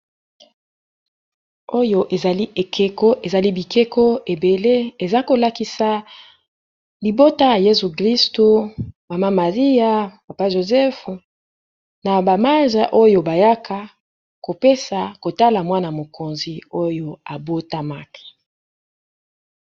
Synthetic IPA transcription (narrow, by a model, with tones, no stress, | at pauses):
o˦jo˦ʔe˨za˨li˦ʔe˨kʰe˦ko˦ʔe˨za˨li˦bi˨kʰe˦ko˦e˨be˨le˦e˨za˦ko˨la˨ki˦sa˨ | li˨bo˦ta˦ja˨je˦zu˨kʁi˦sto˨ma˨ma˦ma˨ʁi˦ja˦ma˨pa˦ʒo˨zɛ˦f | na˨ba˨ma˦ʒa˨ʔo˦jo˨ba˨ja˦kʰa˦ | ko˨pe˦sa˨ko˨ta˦la˨mwa˦na˨mo˨ko˨nzi˨o˦jo˦a˨bo˦ta˦ma˦ke̥˨